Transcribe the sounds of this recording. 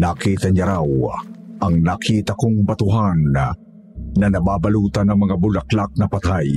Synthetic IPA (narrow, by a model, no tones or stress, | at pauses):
naːkiːt̪aɲaɾawʔaŋnaːkʰiːt̪ɐkoŋbat̪ʊɦan | ɐnɐbaːbaluːt̪anɐŋmɐŋabʊlaklak̚nɐpat̪aj